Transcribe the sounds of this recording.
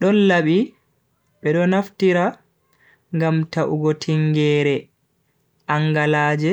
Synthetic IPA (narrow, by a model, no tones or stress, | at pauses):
ɗɔnlaɓi | ɓɛɗɔnaftiɾa | ŋɡamtaʔuɡɔtʰiŋɡɛːɾɛ | ʔaŋɡalaːd͡ʒɛ